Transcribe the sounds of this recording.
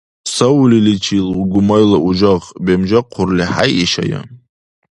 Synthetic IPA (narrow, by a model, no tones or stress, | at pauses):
sawulilit͡ʃʰiluɡʷʊmajlaʔuʒaʁbemʒaqʰʊrliħa̰jiʃa̰ja̰